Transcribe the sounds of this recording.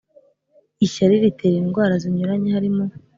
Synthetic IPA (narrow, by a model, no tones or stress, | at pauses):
içaɾiɾiteːɾiːnɡwaːɾaziɲuɾaɲehaɾimo